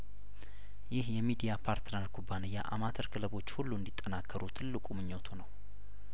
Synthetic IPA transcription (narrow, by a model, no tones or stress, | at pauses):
jɪhjɛmid̪ijapʰaɾt̪ʰɨnaɾkʰubːanəjːa̰ʔa̰mat̪ʰəɾkʰɨləβo̞t͡ʃːhulːuɨnd̪it̪ʼːənakʰːəɾut̪ʰɨlːɨkʼumɨɲːot̪ʰunəw